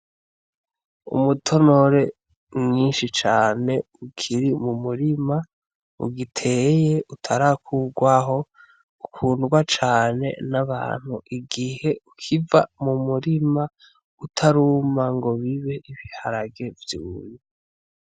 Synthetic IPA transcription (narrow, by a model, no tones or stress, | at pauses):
ṵmutʰo̞no̞ɾe̞ | mɲiːnʃit͡ʃaːne̞ukʰiɾimumuɾima | ṵɡitʰeje̞ʔutʰaɾakʰuɡwaɦo | ukʰuːnɡwat͡ʃaːne̞̰naβa̰ːn̥huʔiɡihe̞ukʰivamumuɾima | utʰaɾumaŋɡo̞βiβe̞ʔiβihaɾaɡe̞vjuːɾi